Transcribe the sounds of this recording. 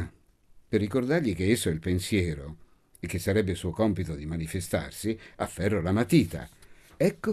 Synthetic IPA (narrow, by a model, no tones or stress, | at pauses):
perːikord̪arʎik̟eesːoɛilpensjɛːɾo | ek̟ːesːaɾɛbːesuːokɔmpit̪od̪imanifest̪a̰rsiafːɛrːolamat̪iːt̪a̰ɛkːo